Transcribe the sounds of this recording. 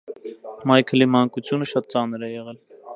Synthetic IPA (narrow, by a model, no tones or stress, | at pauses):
mɑjkʰəlimɑŋkut͡sʰjunəʃɑt̪̚t͡sɑnɾɛjɛʁɛl